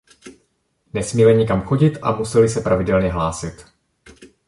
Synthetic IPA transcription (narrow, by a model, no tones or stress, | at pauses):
nɛsmiːmɛɲɪkamxo̞ɟɪt̪ʔa̰musɛlɪsɛpɾavɪdɛlɲɛɦlaːsɪt̪